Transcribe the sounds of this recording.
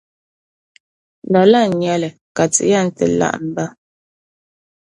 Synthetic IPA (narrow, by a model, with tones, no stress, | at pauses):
n˨da˨la˦˨ɲjɛ˨lɛ˨ | ka˨t͡sḭ˨˦ja˦˨n̩˦tə̰˨la̰˦ʔn̩˨˦ba˦